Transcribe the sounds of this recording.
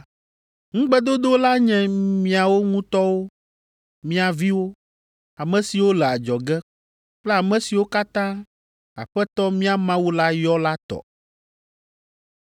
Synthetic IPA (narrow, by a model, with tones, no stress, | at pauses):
ŋ̩̃˦ɡ͡bɛ˦d̪o˦d̪o˦la˦ɲɛ̃˨mĩ˦a˨wo˦ŋũ˦t̪ɔ˦wo˦ | mĩ˦a˨vi˦wo˦ | a˨mɛ̃˨si˨wo˦lɛ˨a˨d͡ʒɔ˨ɡɛ˦ | k͡plɛ˦a˨mɛ̃˨si˨wo˦ka˦t̪ã˦ | a̰˨ɸɛ˦t̪ɔ˦mĩ˦a˨mã˦wu˦la˦jɔ˦la˦t̪ɔ̰˨